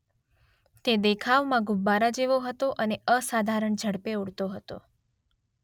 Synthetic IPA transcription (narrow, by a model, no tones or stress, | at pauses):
t̪ed̪ekʰaʋmãɡubːaɾad͡ʒeʋoɦət̪oʔəneəsad̪ʱaɾəɳd͡ʒʱəɽpeuɽt̪oɦət̪o̰